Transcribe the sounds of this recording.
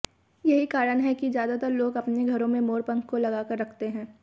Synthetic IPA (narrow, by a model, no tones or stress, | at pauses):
jɐɦikaːɾənɦɛkizjaːd̪at̪əɾloːɡɐpneɡʱɐɾõmẽmoːɾpə̃ŋkkːolɐɡaːkəɾːɐkʰt̪eɦɛ̃ː